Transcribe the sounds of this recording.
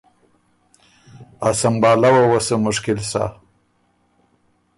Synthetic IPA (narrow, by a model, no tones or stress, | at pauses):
asambɑːlawawasəmʊʂkɪlsa̰